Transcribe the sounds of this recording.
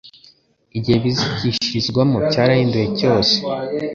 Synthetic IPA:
iɟiheβiziciʃiʒɡwamubcaːɾajindujeco̞ːse̥

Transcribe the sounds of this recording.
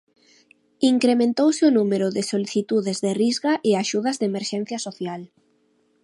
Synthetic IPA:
iŋkɾemẽnt̪owsɪonumeɾʊðɪsoliθit̪uðezðerizɣaʔɪaʃuð̞ɐzðemeɾʃɛn̟θjasoθjal

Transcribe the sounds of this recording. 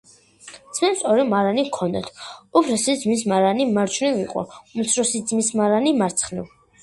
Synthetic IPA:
t̪sʰmɛsɔɾɛmaɾanikʰɔnd̪a̰t̪ʰɔpʰɾɛsid̪zmis̬maɾanimaɾt͡ʃʰunivḭqʼɔ̰umt̪sʰɾɔsid̪zmismaɾanimaɾt̪sʰχnɛv

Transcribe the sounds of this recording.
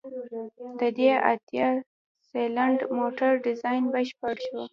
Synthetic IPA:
d̪əd̪ea̰t̪jɑ | selaɳɖmoʈaɾɖɪzɑjnbəʃpəɽʃu

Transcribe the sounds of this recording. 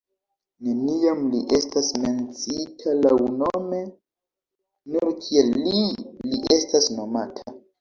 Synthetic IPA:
ne̞nijamliʔe̞stasme̞nt͡sitʰalawno̞me̞ | nuɾkʰielːiliʔe̞stasno̞matʰa

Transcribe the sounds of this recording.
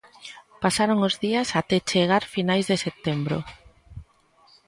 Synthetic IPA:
pasaɾoŋʊzðiasat̪et͡ʃeɣ̞aɾfinajzðeset̪embɾo̰

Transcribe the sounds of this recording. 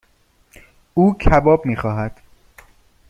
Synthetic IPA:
uːcʰæbɒːbmiːxɒːɦæd̪̥

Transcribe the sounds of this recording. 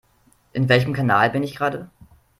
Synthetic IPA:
ʔɪnvɛlçəmkʰanaːlbɪnɪçɡ̥ʁaːdə

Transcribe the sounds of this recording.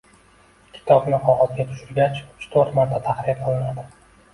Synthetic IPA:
kʲʰɪ̥t̪ʰɒbnɪqʰɒʁɒzɡʲat̪ʰʊ̥ʃɪɾɡʲat͡ʃʊ̥t͡ʃt̪ʰoɾt̪maɾt̪ʰat̪ʰaχɾɪjaqʰɨlˠɪnad̪ɪ

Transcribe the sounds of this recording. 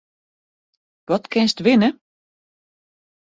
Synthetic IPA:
ʋɔtkɪnstʋɪnə

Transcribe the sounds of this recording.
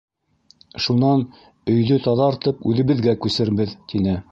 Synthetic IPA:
ʃunɑn | ɵ̆jðɵt̪ɑðɑɾt̪ɤpʉðɘ̆βɘ̆ðɡækʉsɘ̆ɾβɘðt̪inɘ

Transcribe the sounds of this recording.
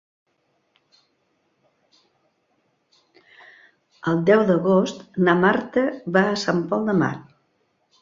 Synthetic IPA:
əlˠd̪ɛwd̪əɣost̪namaɾt̪əβaəsampɔlˠd̪əma̰t

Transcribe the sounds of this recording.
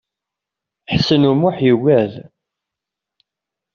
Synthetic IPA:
ħsənumʊħjəwæð

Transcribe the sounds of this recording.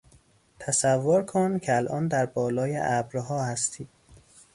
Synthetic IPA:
t̪ʰæsævːoɾkʰoncʰeælʔɒːnd̪æɾbɒːlɒːjḛʔæbɾɦɒːhæst̪ʰiːd̪̥

